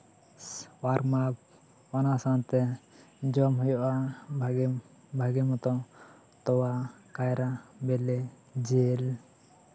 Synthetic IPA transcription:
waɾɡmap̚ | wanasant̪ɛd͡ʒɔmɦujɔʔa | bʱaɡɛmɔt̪ɔ̃ | t̪ɔwakajɾabɛlɛ | d͡ʒel

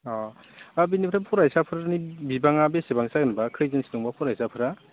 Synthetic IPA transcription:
ɔ | abinipʰɾapʰɔɾajsapʰɯɾanibibaŋabesebaŋsaɡɯnbakʰɯjzɯnsi̥dɔŋbapʰɔɾajsapʰɯɾa

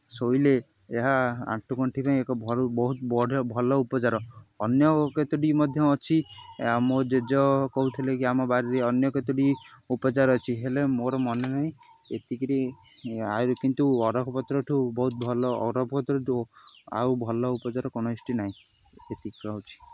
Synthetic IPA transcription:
soile | eɦaa̰ʈʰukɔɳʈʰipaĩekɔbʱɔɾubɔɦut̪bɔɽɔbʱɔlɔupɔt͡ʃaɾɔɔnjɔket̪uɖimɔd̪ʱjɔːt͡ʃʰiamod͡ʒed͡ʒɔkɔɦut̪ʰilekiamɔbaɾiɾeɔnjɔket̪uɽiupɔt͡ʃaɾɔːt͡ʃʰiɦelemoɾɔmɔnenaɦĩ | et̪ikeɾi | aɾukint̪uɔɾɔkʰɔpɔt̪ɾɔʈʰubɔɦut̪̚bʱɔlɔ̰ːɾɔpʰɔpɔt̪ɾɔʈʰua̰ubʱɔlɔupɔt͡ʃaɾɔkonɔisʈinaɦĩ | et̪ikɾɔɦut͡ʃʰi̥

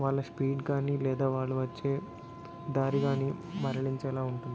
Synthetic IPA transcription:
ʋaːɭːɐspiːɖkaːniːlɛːd̪aːʋaːɭːuʋɐt͡ʃːeː | d̪aːɾiɡaːnimɐɾɐɭiɲt͡ʃɛːlaːuɳʈund̪i

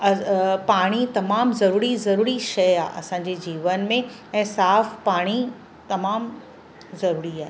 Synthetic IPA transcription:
ɐpaːɽ̃it̪ɐmaːmzɐɾuːɾizɐɾuːɾiʃɐja̰ːʔɐ̰sãːɲ̆d͡ʑed͡ʑiːʋənmẽ | ɛ̃ːsaːfpaːɽ̃i | t̪ɐmaːm | zɐɾuːɾiaːɦe

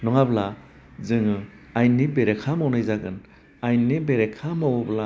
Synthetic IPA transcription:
nɔŋabla | zɯŋɯ | ajnibeɾekʰamawnajzaɡɯn | ajnibeɾekʰamawbla

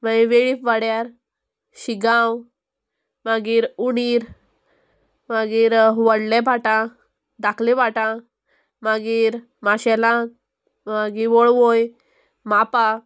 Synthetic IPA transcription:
maiʋeɭifʋaɽjaɾ | ɕiɡãw | maɡiːɾuniːɾ | maɡiːɾʋəɽlɛ̃bʱaʈã | d̪akʰlɛ̃baʈã | maɡiːɾ | maɕɛlã | maɡiʋɔɭʋoj | mapa

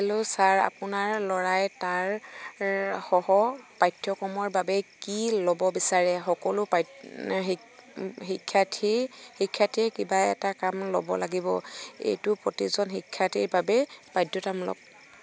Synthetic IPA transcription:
ɛlʊsaɹa̰pʊnaɹlɔɹajtaɹ | xɔhɔpajtʰjɔkɔmɔɹbabɛkilɔbɔbisaɹɛxɔkɔlʊpa | ɦikʰːatʰihikʰːatiɛkibaɛ̰takamlɔ̰bɔ̰laɡibɔḛjtʊpɹotizɔnxikʰːatiɹbabɛpajdjɔtamlɔ̰b̚

